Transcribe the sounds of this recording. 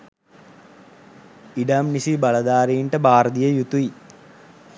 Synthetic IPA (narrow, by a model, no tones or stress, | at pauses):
iɖamnisibalɐd̪aːɾiːɳʈəbaːɾəd̪ijəjut̪ui